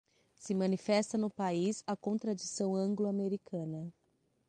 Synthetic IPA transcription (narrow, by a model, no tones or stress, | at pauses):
sɪmɐ̃nifɛst̪ɐnʊpaizɐkõt̪ɾad͡ʒisɐ̃w̃ɐ̃ɡlʊameɾikʰɐ̃nɐ